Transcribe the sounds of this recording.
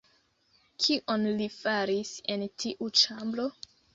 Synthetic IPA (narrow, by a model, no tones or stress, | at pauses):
kʰiʔonlifaɾisentʰiʔut͡ʃamblo̞